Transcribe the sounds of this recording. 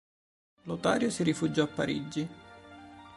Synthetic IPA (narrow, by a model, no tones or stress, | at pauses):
lot̪a̰ːɾjosirifud͡ʒɔapːaɾḭd͡ʒi